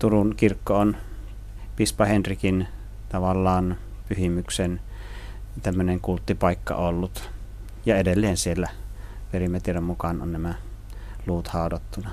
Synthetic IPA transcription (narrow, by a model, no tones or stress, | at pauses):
t̪urunkirkːoon | pispɑhenrikin | t̪ɑʋɑlːɑːnpyhimyksen | t̪æmːøneŋkult̪ːipɑˑikːɑ̰olːut̪ | jɑedelːeːnsielːæʋerimæt̪ierommukɑno̰nnæmæ | luːt̪hɑˑodot̪ːunɑ